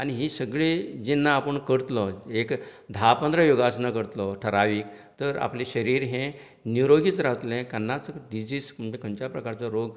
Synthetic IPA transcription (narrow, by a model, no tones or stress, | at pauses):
añiɦiːsəɡɭed͡ʑenːaːpəɳkəɾt̪lɔekd̪ʱapənd̪ɾəjoɡasnakəɾt̪lɔʈʰəɾaʋiːk | t̪əɾa̰pliɕəɾiːɾɦẽ | nuɾoɡiːt͡sɾaʋət̪lɛ̃kənːat͡sɖid͡ʑiːsəɳd͡ʑekəɲt͡ɕapɾəkaɾt͡sɔɾoɡ